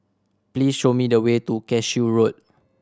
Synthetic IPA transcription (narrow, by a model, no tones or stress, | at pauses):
plisʃomidəwetukɛt͡ʃjuɹot̚